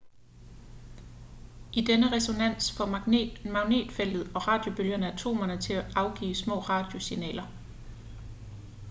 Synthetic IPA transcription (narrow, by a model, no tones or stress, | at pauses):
ʔid̥enəʁɛso̝næn̰sfɒ̽mɑɡ̥mɑ̈ʊne̝̰ːd̥fel̰d̥ð̩ˠɒ̽ʁɑ̈d̥jo̝b̥øljɐnəæt͡sʰo̝̰ːmɐnət͡sʰe̝æʔɑ̈ʊɡ̥ḭːsmɔ̰̽ːʁɑ̈d̥jo̝sinɛ̰ːlɐ